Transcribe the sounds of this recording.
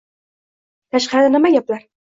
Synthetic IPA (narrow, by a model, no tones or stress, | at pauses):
t̪ʰaʃqaɾɘnɪmajaplaɾ